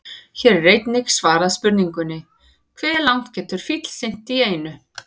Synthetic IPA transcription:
çɛːɾreːjt̪nɪksvaːɾaðspʏɾniŋkʏnːɪ | kʰvɛːlawn̥t̪cɛːt̪ʏɾ̥fit̪l̥sɪn̥t̪ieːjnʏ

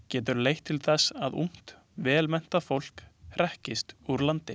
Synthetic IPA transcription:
cɛːt̪̬ʏɾleːjht̪ʰːɪlθɛsaðṵm̥t̪ | vɛːlmɛn̥t̪afowl̥kɾɛhcɪst̪uɾlant̪ɪ

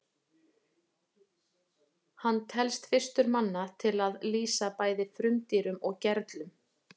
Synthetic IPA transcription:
hanːt̪ʰɛlst̪fɪr̥st̪ʏɾmanːat̪ʰɪlaðliːsapaːjðɪfɾʏmt̪iːɾʏmɔɣcɛɾt̪lʏm

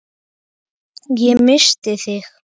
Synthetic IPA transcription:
jemɘʃt̪eθex

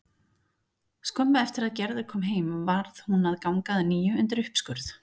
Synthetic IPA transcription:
skœmpaɛft̪ɪɾaðcɛɾðʏɾ̥kʰɔːmɦeːjmvaɾðhunaðkawŋkaðniːjʏʏnt̪̬ɪɾʏhpskʏɾθ

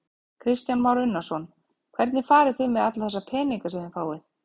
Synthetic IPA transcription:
kʰɾɪst̪janmawɾʏnːasɔn | kʰv̥ɛɾt̪nɪfaːɾɪθɪmɛðat̪laθɛsːapʰɛːniŋkasɛmðɪnfaːwɪθ

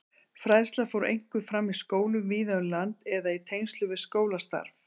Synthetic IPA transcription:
fɾajðslafowɾḛjŋ̥kʏðfɾamːiskoːwlʏmviːðaʏlant̪ɛðait̪ʰejnst̪lʏvɪðskoːwlast̪a̰ɾv

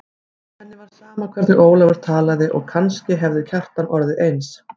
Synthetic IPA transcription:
ɛnːɪvaɾ̥saːmakʰvɛɾt̪nʏʔoːwlavaɾ̥t̪ʰaːlaðɪʔɔɣkʰanscɪɦɛvðʏcʰar̥t̪anʔɔɾðɪʔejns

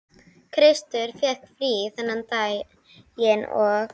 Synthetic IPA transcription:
kʰɾɪst̪ʏɾ̥fɛkfɾiːθɛnːant̪aːj | jɪnɔɣ

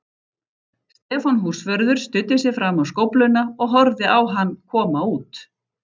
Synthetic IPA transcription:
st̪ɛːfɔnɦuːr̥svœɾðʏɾ̥st̪ʏt̪ːɪs̬jɛfɾamawskowplʏnːaɔɣɦɔɾðɪawɦanːkʰɔːmauːt̪

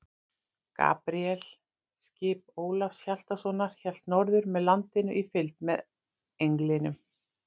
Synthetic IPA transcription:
ka̰ːpɾiɛl̥ | scɪːp̚oːwlafsçal̥t̪asɔnaɾ̥çɛl̥t̪nɔɾðʏɾmɛðlant̪ɪnʏ̰ʔifɪlt̪mɛð | ejŋklɪnʏm

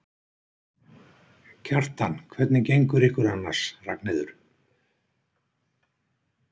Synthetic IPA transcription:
cʰar̥t̪ankʰvɛt̪nɪcejŋkʏɾiːkʏɾanːaɾ̥sra̰knɪðʏɾ̥

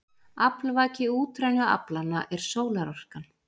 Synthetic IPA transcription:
aplvaːcɪuːt̪ɾajnʏa̰planːa̰ʔɛɾ̥soːwlaɾɔr̥kan

